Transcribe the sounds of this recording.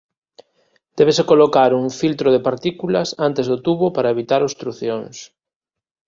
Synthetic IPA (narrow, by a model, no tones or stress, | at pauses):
d̪̥ɛβesekolokaɾuŋfilt̪ɾoðepaɾt̪ikulɐsant̪ezðot̪uβopaɾaeβit̪aɾost̪ɾuθjoŋs